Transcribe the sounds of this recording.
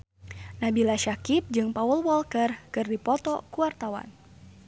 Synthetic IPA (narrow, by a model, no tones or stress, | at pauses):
nabilaʃakip̚d͡ʒɨŋpawəlwɔlkərkɨrdipɔt̪ɔkuwart̪awa̰n